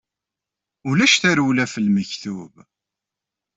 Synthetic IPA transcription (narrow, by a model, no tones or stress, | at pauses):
ʊlæʃθæɾuwlæfəlməçθuv